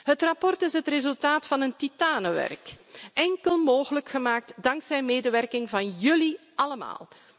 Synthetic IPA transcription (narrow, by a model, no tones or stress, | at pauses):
ɦətrɑpɔrtɪsɦətrezɵlˠtaːtfɑnəntitaːnəʋɛ̰rkɛŋkəlˠmoːɣələkxəmaːk̚tdɑŋksɛjmeːdəʋɛrkɪŋvɑnjɵliʔɑləma̰ːlˠ